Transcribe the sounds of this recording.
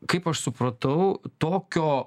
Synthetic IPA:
kɐɪpɐʃsʊpɾɐt̪ɐʊt̪oːkʲoː

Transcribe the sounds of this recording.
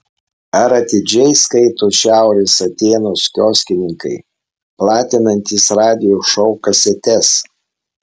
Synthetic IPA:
ɐɾɐt̪ʲɪd͡ʒʲɛɪskɐɪt̪oːʃʲæˑʊɾʲeːsɐt̪ʲeːnoːskʲoːsʲkʲɪnʲɪŋkɐɪ | plˠɑːt̪ʲɪnɐnʲt̪ʲiːsɾɑːd̪ʲɪjoʃɔʊkɐsʲɛt̪ʲɛs

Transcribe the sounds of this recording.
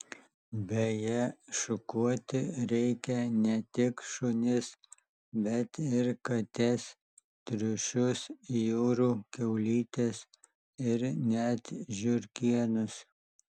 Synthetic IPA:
bʲɛjɛʃʊkuɔt̪ʲɪɾʲɛɪkʲɛnʲɛt̪ʲɪkʃʊnʲɪs | bʲɛt̪ɪɾkɐt̪ʲɛs | t̪ʲɾʲʊʃʲʊsjoːɾuːkʲɛʊlʲiːt̪ʲes | ɪɾnʲɛt̪ʒʲʊɾʲkʲiɛnʊs

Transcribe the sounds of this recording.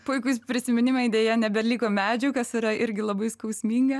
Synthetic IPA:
pʊɪkʊspʲɾʲɪsʲɪmʲɪnʲɪmɐɪd̪ʲeːjɛnʲɛbʲɛlʲiːkoːmʲæːd͡ʒʲʊːkɐsɪɾɐʔɪɾʲɡʲɪlˠɐbɐɪskɐʊsʲmʲiːŋɡɐ

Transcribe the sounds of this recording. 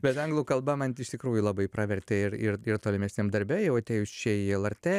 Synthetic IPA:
bʲɛt̪ɐŋɡlˠuːkɐlˠbɐmɐnɪʃt̪ʲɪkɾuːjʊlˠɑːbɐɪpɾɑːʋʲɛrʲt̪ʲɛɪrɪrɪrt̪oːlʲɪmʲɛsʲnʲemd̪ɐɾʲbʲɛjɛʊɐt̪ʲeːjʊsʲt͡ʃʲɛːɪɛlˠɐɾʲt̪ʲeː

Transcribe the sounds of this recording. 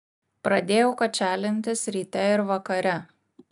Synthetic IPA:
pɾɐd̪ʲeːjɛʊkɐt͡ʃʲæːlʲɪnʲt̪ʲɪsʲɾʲiːt̪ʲɛɪɾʋɐkɐɾʲɛ

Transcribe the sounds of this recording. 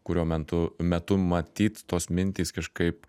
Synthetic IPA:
kʊɾʲoːmʲɛnt̪ʊmʲɛt̪ʊmɐt̪ʲiːt̪t̪oːsmʲɪnʲt̪ʲiːskɐʃkɐɪp

